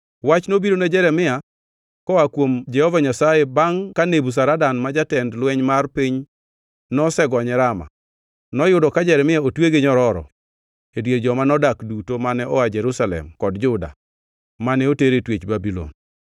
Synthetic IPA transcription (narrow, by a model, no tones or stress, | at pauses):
wat͡ʃnobiɾoned͡ʒɛɾɛmɪa | kɔakwomd͡ʒɛhɔvaɲasajebaŋkanebus̬aɾadanmad͡ʒatɛndlwɛɲmarpiɲ | nɔsɛɡɔɲɛɾama̰ | nɔjʊdɔkad͡ʒɛɾɛmɪaotweɡeɲɔɾɔɾɔ̰ | edwjeɾd͡ʒɔmanɔdakdutomanɛʔɔad͡ʒɛɾusalɛ̰mkɔdd͡ʒʊda̰ | manɛoteɾetwet͡ʃbabilɔ̰n